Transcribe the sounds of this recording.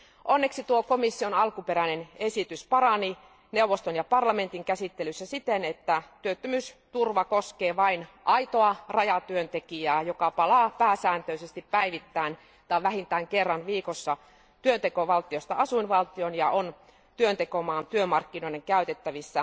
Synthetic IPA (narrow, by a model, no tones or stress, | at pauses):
ʔonːeksit̪uokomisːionɑlkupeɾænenesit̪yspɑɾɑni | neuʋːˑost̪onjɑpɑrlɑme̞nt̪iŋkæsit̪ːelysːæsit̪enet̪ːæt̪yøt̪ːømyːst̪urʋɑkoskeːʋɑinʔɑit̪oɑrɑjɑt̪yønt̪ekiæːjokɑpɑlɑːpæːsæːnt̪øisest̪ippæiʋit̪ːæin | t̪ɑiʋæhint̪æːŋkerːɑnʋiːkosːɑ | t̪yønt̪ekoʋɑlt̪iost̪ɑɑsuinʋɑlt̪ionjɑʔon | t̪yønt̪ekomɑːnt̪yømɑrkːinoineŋkæyt̪et̪ːæʋisːæ